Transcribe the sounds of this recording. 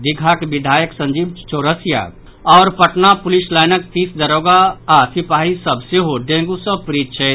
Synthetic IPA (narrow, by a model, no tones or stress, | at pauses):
d̪ɪɡʱakeʋɪd̪ʱaːjəksɐ̃ɲd͡ʒiːb̚t͡ʃoːɾəsja̰ː | ɔːɾpɐʈnapʊlɪslaːjnək̚fiːsd̪ɐɾoːɡaːsɪpaːɦisɐbseɦoɖẽːŋɡusəbpɾiːt̪t͡ʃʰɛ